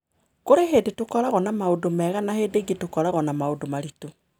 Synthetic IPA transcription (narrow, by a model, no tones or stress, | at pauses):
koɾeɦedetokɔɾaɣɔnamaodomɛɣanahedeɡetokɔɾaɣɔnamaodomaɾito